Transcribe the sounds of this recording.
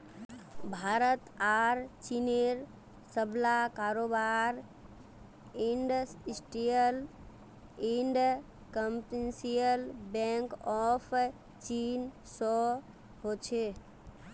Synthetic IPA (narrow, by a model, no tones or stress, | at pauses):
bʱaɾət̪aɾt͡ʃineɾ | səblakaɾobaɾ | iɳɖəsisʈiəl | iɳɖ | kəmpʈensijəlbɛ̃ŋkɔpʰ | t͡ʃin | sɔ | ɦot͡ʃʰe